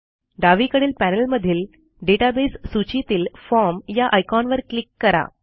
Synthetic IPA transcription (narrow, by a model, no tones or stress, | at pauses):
ɖaʋiːkəɽiːlpænəlməd̪ʱiːl | ɖeʈabesːut͡ɕit̪iːlfɔɾmjaʔajkɔnʋəɾklikːəɾa̰